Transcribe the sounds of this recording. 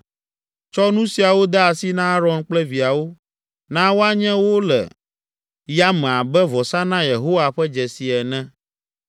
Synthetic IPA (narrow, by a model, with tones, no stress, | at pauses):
t͡ʃɔ˦nũ˦si˨a˨wo˦d̪ɛ˦a˨si˦nã˦ɾɔ˨nk͡plɛ˦vi˨a˨wo˦ | nã˦wo˦a˦ɲɛ̃˦wo˦lɛ̰˨ | ja˦m̃˨a˨bɛ˦vɔ˨sa˦nã˦je˨ɦo˦wa˨ɸɛ˦d͡ʒɛ˨si˨ɛ˨nɛ̃˦